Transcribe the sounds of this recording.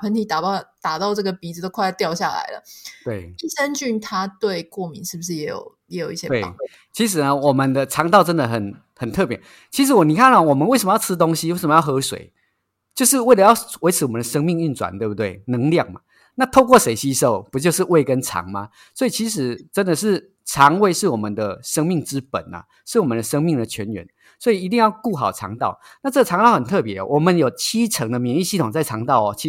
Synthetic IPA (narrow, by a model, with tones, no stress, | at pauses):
pʰə˧˦nt̪ʰi˨˥t̪a˨˩˥t̪a˨˩t̪ɑ˥˧ʊʈ͡ʂɤ˥˩ɡə˩pi˨d͡z̩˨˩t̪o˥ʊkʰa˥˧t̪jɑ˥˧ʊɕja˥˩la̰˨˦ɪlə̰˨t̪we˥˩ɪi˥˧sə˦nt͡ɕy˥˩nt̪ʰa˥t̪we˥˧ɪkwɔ˥˩mi˧˦nʂɻ̩˥˩bu˩ʂ̬̩˥˩jɛ˨˧˥jo̰˨˩ʊjɛ˨˧˥jo˨˩ʊi˥˩ɕj̪we˥˩˨ | t͡ɕʰi˧˥ʂ̬ɻ̩˨˩nə˧˦wɔ˨˩mə˨nd̪ə˧t͡sʰɑ˧˥ŋt̪ɑ˥˩ʊʈ͡ʂə˦˥nd̪ə˨hə˨˩n | hə˨˩nt̪ʰɤ˥˨˩pjɛ˨˩n | t͡ɕʰi˧˥ʂɻ̩˧˥wɔ˨˩ni˨kʰa˥˩n˨ɔ˨˩wɔ˨˩mə˨˦nwe˥˩sə˨məjʰɻ̩˦˥t̪o˦ŋɕi˦we˥˩sʂə˨˩mə˧jɑ˥˩xɤ˧˦ʂwḛ˨˩ɪ | t͡ɕjo˥˧ʊʂ̬ɻ̩˥˧we˥˩ɪlə˨˦jɑ˥˩ʊwe˧˥ɪt͡s̩ʰ˧˦wɔ˨˩ə˦nd̪ə˨ʂə˥ŋmi˥˧ŋy˥˩˨nt͡swa̰˨˦nt̪we˥˧˩bu˥t̪we˥˩ɪnə˧˥ŋlja˥˩ŋma̰˨˩ | na˥˧t̪ʰo˥˧ʊkwɔ˥˩ʂe˨˩ɪɕi˦˥ʂo˥˩ʊpu˧˥t͡ɕjo˥˧ʊʂ̬ɻ̩˥˧we˥˩ɪkə˦nʈ͡ʂʰɑ̰˨˥˦ŋma̰˨ | so˧˥i˨˩t͡ɕʰi˧˥ʂ̬ɻ̩˨˦ʈ͡ʂə˦˥nd̪ə˨ʂɻ̩˥˩ | t͡sʰɑ˧˦ŋwe˥˧ɪʂɻ̩˥˩wɔ˨˩mə˨nd̪ə˨ʂə˥ŋmi˥˩ŋʈ͡ʂɻ̩˦pə̰˨˩˦nə̰˩ | ʂɻ̩˥˩wɔ˨˩mə˨nd̪ə˨˩ʂɤ˥ŋmi˥˩ŋd̪ə˨t͡ɕʰɥɛ˧˦nɥɛ̰˧˦n | swɔ˧˥i˨˩i˧t̪̬i˥˧ŋjɑ˥˧ʊku˥˩xɑ˨˩ʊʈ͡ʂʰɑ̰˧˦ŋt̪ɑ˥˩ʊ | na˥˧t͡sɤ˥˩ɡə˨˩ɑ˧˥ŋt̪ɑ˥˩ʊhə˨˩nt̪ʰɤ˥˩pjɛ˧˦ɔ̰˨˩wɔ˨˩mə˨˦njo˨˩ʊt͡ɕʰi˦˥ʈ͡ʂʰə˧˥ŋd̪ə˨mjɛ˨˩ni˥˧˩ɕi˥˩t̪ʰo˨˩ŋt͡sa˥˩ɪʈ͡ʂʰɑ˧˥ŋt̪ɑ˥˩ʊɔ˨˩t͡ɕʰi˧